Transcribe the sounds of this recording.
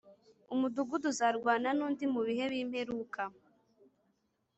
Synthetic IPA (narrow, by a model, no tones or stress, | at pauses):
umuduɡuduzaɾɡwaːnanuːndimuβihe̞βiːmhe̞ɾuːkʰa